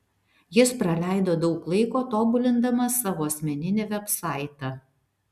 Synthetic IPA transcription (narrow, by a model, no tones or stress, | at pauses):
jɪspɾɐlʲæˑɪd̪oːd̪ɒʊklˠɐɪkoːt̪oːbʊlʲɪnd̪ɐmɐsɑːʋoːɐsʲmʲɛnʲɪnʲeʋʲɛpsɑˑɪt̪ɑ